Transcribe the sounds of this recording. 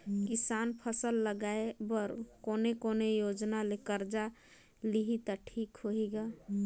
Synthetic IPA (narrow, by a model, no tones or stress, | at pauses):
kisanpʰəsəlːəɡaebəɾkonekonejod͡ʒnalekəɾd͡ʒa | liɦit̪aʈʰikɦoɦiɡa